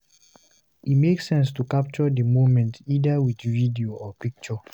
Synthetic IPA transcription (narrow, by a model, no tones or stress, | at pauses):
imeksɛ̃nstukap̚t͡ʃɔdəmovmɛ̃ntidawidvidioʔɔpik̚t͡ʃɔ